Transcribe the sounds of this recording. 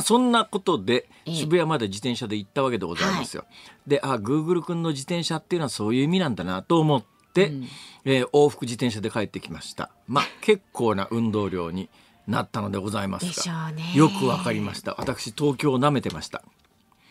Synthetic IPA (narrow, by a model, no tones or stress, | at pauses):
sõ̞nːako̞t̪o̞d̪e̞ | ɕibɯ̟jamad̪ad͡ʑit̪eɰ̃ɕad̪e̞it̪ːaβ̞ake̞d̪e̞ɡo̞za̰imasɨjo̰d̪e̞ʔaɡɯ̟ːɡɯ̟ɾɯ̟kɯ̟̃nːo̞d͡ʑit̪ẽ̞ɰ̃ɕat̪ːeiɯ̟noasoːjɯ̟ːimʲinãnd̪anat̪o̞ːmo̞t̪ːe̞ | ʔo̞ːɸɯ̥kɯ̟d͡ʑit̪eɰ̃ɕ̬ad̪e̞kae̞t̪ːe̞kʲimaɕi̥t̪a̰ | make̞kʰːo̞ːna̰ʔɯ̟̃nd̪o̞ːɾʲo̞̰ːɲ̟i | nat̪ːano̞d̪e̞ɡo̞zaima̰sɨɡajo̞kɯ̟βakaɾʲimaɕi̥t̪a̰βa̰t̪akɯ̟̥ɕit̪o̞ːkʲo̞ːname̞t̪e̞maɕi̥t̪ḁ